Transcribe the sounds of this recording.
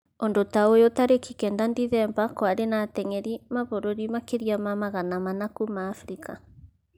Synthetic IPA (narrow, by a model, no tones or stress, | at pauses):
ondotaojot̪aɾekikɛːndandiðɛmbakwaɾenat̪ɛŋɛɾimaβoɾoɾimakeɾiamamaɣanamanakumaːfɾika